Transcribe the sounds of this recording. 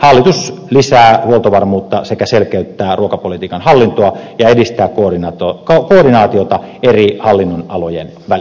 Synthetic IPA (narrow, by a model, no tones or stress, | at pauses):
hɑlːit̪uslisæːhuolt̪oʋɑrmuːt̪ːɑsekæselkeyt̪ːæːruokɑpolit̪iːkɑnhɑlːint̪oɑjɑedist̪æːkkonɑt̪kokoːdinɑːt̪iot̪ɑerihɑlːinːonɑlojḛn | ʋæl